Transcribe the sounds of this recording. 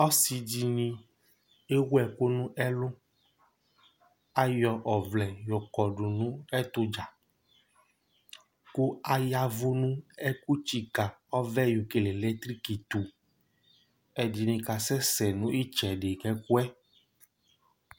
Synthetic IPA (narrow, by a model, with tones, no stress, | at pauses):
ɔ˦si˨d͡ʒi˨nĩ˧ | e˦wwɛ˨ko˦nũ˦ʔɛ˦lʊ˦ | a˦jɔ˨ʔɔ˨vlɛ˨jɔ˨kɔ˨ɖu˨nũ˦ɛ˦t̪ʊ˦d͡ʒa˨ | ko˦a˦ja˨vu˦nũ˦ɛ˦ku˦t͡ʃi˨ka˨ɔ˦vɛ˦ju˨ke˨le˨lɛ˦t̪ɾi˦ki˨t̪u˨ | ɛ˨d͡ʒi˨nĩ˧ka˨sɛ˦sɛ˨nũ˦i˦t͡ʃɛ˨ɖe˨kɛ˦ku˦ɛ˦